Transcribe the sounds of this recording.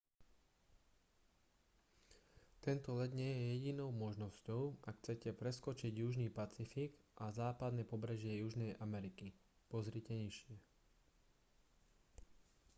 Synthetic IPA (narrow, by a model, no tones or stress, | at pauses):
t̪ɛnt̪ɔlɛd̪ɲɪɛjɛjɛɟinɔʊmɔʒnɔscɔʊʔaxt͡sɛcɛpɾɛskɔt͡ʃiɟjuʒniːpat͡sifiɡʔazaːpad̪nɛpɔbɾɛʒɪɛjuʒnɛjʔamɛɾiki | pɔzɾicɛɲiʃɪɛ